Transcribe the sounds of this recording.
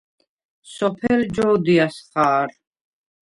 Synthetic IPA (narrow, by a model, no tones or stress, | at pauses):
sɔpʰɛld͡ʒɔːd̪iasχaːɾ